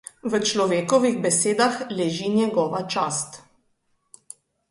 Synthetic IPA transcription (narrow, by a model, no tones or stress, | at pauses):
ʋət͡ʃlɔʋeːkɔʋiɣbɛseːd̪axlɛʒinʲjɛɡɔːʋat͡ʃaːst̪